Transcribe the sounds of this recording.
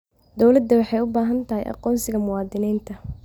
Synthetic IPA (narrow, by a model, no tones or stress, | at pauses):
d̪ɔwlɐd̪ːɐwɑħɑjʊbaːɦɐnt̪ʰɐɦɛjʔɑ̰qɔːnsɪɣɐmʊwɑːd̪ɪnɛːnt̪ʰɐ